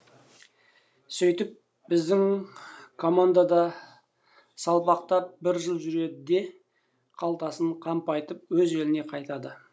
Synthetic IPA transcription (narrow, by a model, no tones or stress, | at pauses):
sʏjt̪ɪp̚ | bɪzd̪ɪŋ | kʰo̞mand̪ad̪ɑ | sɑlˠpɑqt̪ɑp̚bɪɾʒəlˠʒʏɾe̞d̪ɪd̪e̞ | qʰɑlˠt̪ɑsəɴqʰɑmpɑjt̪əp̚wɵze̞lɪne̞qʰɑjt̪ɑd̪ə